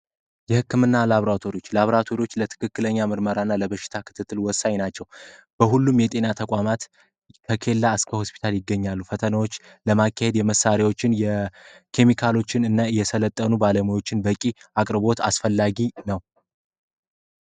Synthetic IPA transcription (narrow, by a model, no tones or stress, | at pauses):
jɛhɨkːɨmɨnːalaβɾat̪ʰo̞ɾijot͡ʃːlaβɾat̪ʰo̞ɾiwo̞t͡ʃːlət̪ʰɨ̥kʰɨkːɨləɲːamɨɾməɾaɨnːaləβəʃːɪ̥t̪ʰakʰɨ̥t̪ʰɨt̪ʰːɨlwɔsːaɲnat͡ʃːɛw | b̥əɦulːumjɛt̪ʼe̞nat̪ʰəkʼamat̪ | kʰəkʰe̞lːaɨskʰəho̞spʰi̥t̪ʰaljɪɡːəɲːalːufət̪ʰənawo̞t͡ʃː | ləmakːahe̞d̪jɛməsːaɾewo̞t͡ʃːɪnjɛkʰe̞mikʰalo̞t͡ʃːɪnɨnːaɨjːɛsələt̪ʼːənubaləmujo̞t͡ʃːɪnbəkʼiakʼɾɨbo̞t̪asfəlːaɡinəw